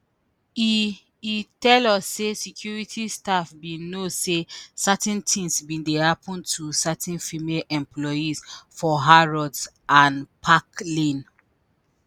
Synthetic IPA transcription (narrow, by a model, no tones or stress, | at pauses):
i | itɛlɔsːesikʰjuɹitʰistafbĩnosesatɛ̃ntʰĩŋsbĩndehapʰɔ̃ntʰusatʰɛ̃nfimelʔɛ̃mplɔizfɔɦaɹɔds | ʔãnpʰaklĩn